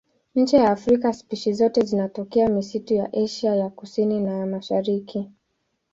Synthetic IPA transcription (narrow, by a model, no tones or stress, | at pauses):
ɲ̩t͡ʃɛjaːfɾikaspiʃizɔtɛzinatɔkɛamisituja̰ʔɛʃajakusininajamaʃaɾiki